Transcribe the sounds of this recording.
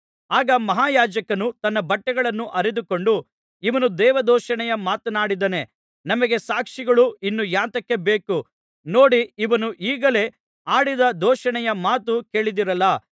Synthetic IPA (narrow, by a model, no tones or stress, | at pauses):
aːɡɐmɐɦaːjaːd͡ʒɐkɐnut̪ɐnːɐbɐʈːɛɡɐɭɐnːuʔɐɾed̪uko̞ɳɖu | iʋɐnud̪ɛːʋɐd̪ɔːʃɐɳɛjɐmaːt̪ɐnaːɽid̪ɐne̞ | nɐmɐɡe̞saːkʂiɡɐɭuinːujaːnt̪ɐkːe̞beːku | no̞ːɽiiʋɐnuʔiːɡɐle̞ | aːɽid̪ɐd̪ɔːʃɐɳɛjɐmaːt̪uke̞ːɭid̪iɾɐlːɐ